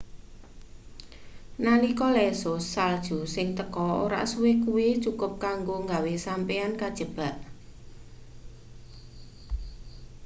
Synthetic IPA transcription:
nanikɔlɛsʊsːald̥ʒ̥ṳsɪŋt̪əkɔo̰ɾa̰ʔsuwekuwit͡ʃukʊp̚kaŋɡoŋɡawesampeankad̥ʒ̥ə̤b̥a̤ʔ

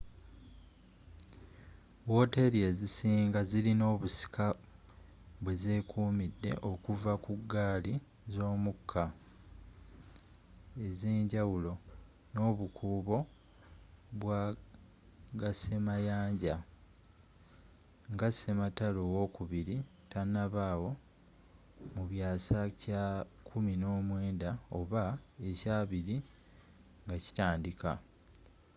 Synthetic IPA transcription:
wo̞te̞ɾie̞zisiːŋɡazilino̞ːβusi̥kʰa | βweze̞ːkuːmidːe̞̰ʔo̞kuvakuɡːaːli | zo̞ːmukʰːa | e̞zeːɲɟawulo̞ | no̞ːβukʰuːβo̞ | βwa | ɡase̞majaːɲɟa | ŋɡase̞matalowo̞kuβiɾi | tanːaβaːwo̞ | muβjaːsacakʰumino̞ːmwe̞ːndao̞βaecaːβiɾi | ŋɡaci̥taːndika̰

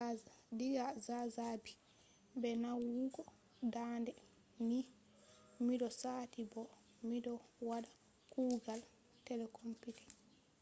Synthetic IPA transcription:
diɡazazabi | bɛnawuɡɔ | dandɛ | ni | midɔsaːtibɔ | midɔwada | kuːɡal | tɛlɛkompiti̥

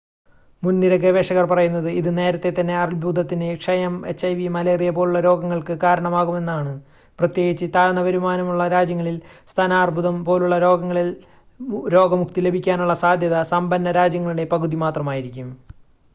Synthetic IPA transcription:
munːiɾɐɡɾɐʋeːʂɐɣɐrpɐrɐjunːɐðɨiðɨne̞ːɾɐt̪ːe̞t̪ɐnːe̞ɐrilbʱuːd̪ʱɐt̪ːinɨkʂɐjemet͡ɕːɐjʋimɐleːrijɐpo̞ːluɭːɐɾo̞ːɡɐŋːɐɭkɨkaːɾɐɳɐmaːɣume̞nːaːɳɨ | prɐt̪je̞ːɡit͡ɕːɨt̪aːɻnɐʋɐɾumaːnɐmuɭːɐɾaːd͡ʑjɐŋːɐɭilst̪ʰaːnaːrbʱuðɐmpo̞ːluɭːɐɾo̞ːɡɐŋːɐɭi | ɾo̞ːɡɐmukt̪ile̞bʱikʲːaːnuɭːɐsaːd̪ʱjɐðɐsɐmbɐnːɐɾaːd͡ʑjɐŋːɐɭuɽe̞pɐɣuðimaːt̪rɐmaːjiɾikʲːum

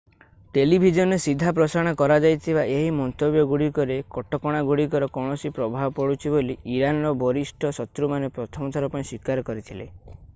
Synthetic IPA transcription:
ʈelibʱid͡ʒɔnesid̪ʱːapɾɔsaɽ̃akɔɾad͡ʒajt̪ʰibaʔeɦimɔnt̪objɔɡuɽikɔɾekɔʈɔkɔɽ̃aɡuɽik̬ɔɾɔkɔɽ̃ɔsipɾɔbʱabɔpɔɽut͡ʃʰiboliːɾanɾɔbɔɾisʈʰɔsɔt̪ɾumanepɾɔt̪ʰɔmɔt̪ʰaɾɔpaĩswikaɾɔkɔɾit̪ʰile

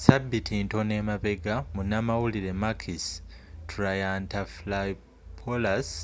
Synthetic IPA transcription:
sabːitʰinto̞ne̞maβe̞ɡamunamawuliɾe̞makʰis | tɾajantaflai | pʰolas

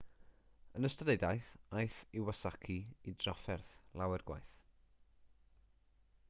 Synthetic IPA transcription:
ənəstədejdajθajθɪwasakʰiidrɔfɛrθlˠawɛrɡwa̰jθ

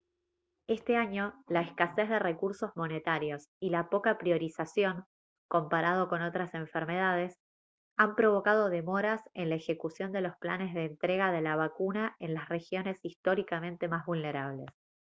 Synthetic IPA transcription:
e̞st̪e̞aɲo̞laeskase̞zðe̞re̞kuɾso̞zmo̞ne̞t̪aɾjo̞silapo̞kapɾijo̞ɾisasjo̞ŋ | ko̞mpaɾað̞o̞ko̞no̞t̪ɾase̞ɱfeɾme̞ð̞að̞e̞s | ampɾo̞βo̞kað̞o̞ðe̞mo̞ɾasenlaexe̞kusjo̞nd̪e̞lo̞spla̰ne̞zðeːnt̪ɾe̞ɣaðelaβ̞akunae̞nlasre̞xjo̞ne̞sist̪o̞ɾikamẽnt̪e̞mazβulne̞ɾaβ̞le̞s

